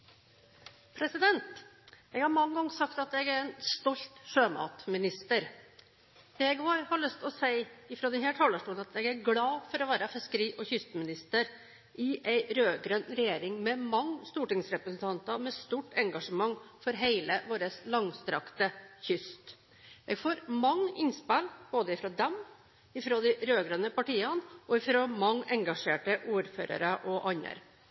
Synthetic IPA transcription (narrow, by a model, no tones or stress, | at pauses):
pʰɾɛsɪd̪ɛnt̪ | ɛɡhɑɾmɑŋːəɡɑŋːsɑkt̪ɑt̪ɛɡæɾɛnst̪ɔlt̪ʂøːmɑ̰ːt̪mɪnɪst̪əɾ | d̪̥eɪɡoːɾhɑɭœst̪ɔsæɪɪfɾoːd̪ɛnheːʈ̪ʰɑːləʂʈuːlnɑt̪ɛɡæɾɡlɑːfɔɾɔʋæːɾəfɪskəɾiːʔɔçʏst̪mɪnɪst̪əɾ | ʔɪʔæɪɾøːɡɾœnɾɛjeːɾɪŋmɛmɑŋːst̪uːʈɪŋsɾɛpɾəsn̩t̪ʰɑnt̪ɑmɛst̪uːʈːɛŋɡɑʂəmɑŋːfɔɾɦeɪləʋoːɾəslɑŋst̪ɾɑkt̪əçʏst̪ | ʔḛːɡfoːɾmɑŋːəɪnspælb̥oːd̪əɪfɾɔd̪ɛm | ɪfɾoːd̪ɪɾøːɡɾənəpɑʈiːɑnʔɔɪfɾomɑŋːɛŋɡɑʂeːʈəʔuːɾføːɾɑ̰ɾəʔɔʔɑɲːə̰ɾ